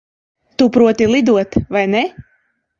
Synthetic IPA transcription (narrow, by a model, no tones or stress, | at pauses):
t̪upɾuɔt̪ilˠid̪uɔt̪vajne